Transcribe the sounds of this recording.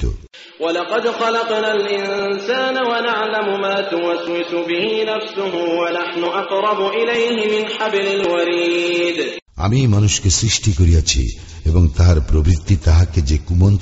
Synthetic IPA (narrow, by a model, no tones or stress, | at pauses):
t̪o̰ | walɑqɑd̪xɑlɑqnaːlʔɪnsaːnawanaʕlamʊmaːt̪ʊwaswɪsʊbɪhiːnafsʊɦʊwanaħnʊʔɑqɾˤɑbʊʔɪlejɦɪmɪnħabɪlɪlwaɾiːd̪ | a̰mimanuʃkesɾiʃʈikoɾijat͡ɕʰḭ | eboŋt̪aɦaɾpɾobɾit̪ːit̪aɦaked͡ʑekumont̪